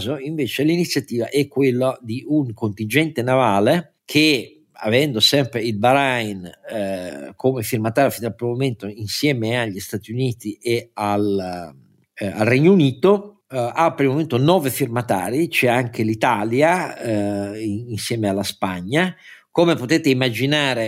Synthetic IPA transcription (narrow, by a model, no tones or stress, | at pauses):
zoiɱveːt͡ʃelinit̪sːjat̪iːva̰ʔɛkːwelːad̪iuŋkont̪ind͡ʒɛnt̪enavaːle | kʰe | a̰vɛnd̪osɛmpɾeilbaɾajn | kʰomefirmat̪aːɾjofind̪alpːɾimoment̪oinsjɛːmeaʎːist̪at̪ijuniːt̪iʔeal | a̰lrɛɲːouniːt̪o | apːeɾimoment̪onɔːvefirmat̪a̰ːɾit͡ʃɛaŋk̟elit̪aːlja | insjɛːmealːaspaɲːa | komepot̪ɛːt̪eimːad͡ʒinaːɾe